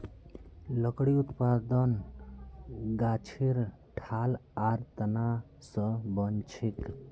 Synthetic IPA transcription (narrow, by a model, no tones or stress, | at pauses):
ləkɽiut̪pad̪ən | ɡat͡ʃʰiɾ | ʈʰalaɾt̪əna | sə̃bənt͡ʃʰik